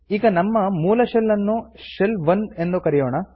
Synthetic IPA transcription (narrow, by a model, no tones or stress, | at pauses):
iːɡɐnɐmːɐmuːlɐʃelːɐnːuʂelʋɐne̞nd̪ukɐɾijoːɳɐ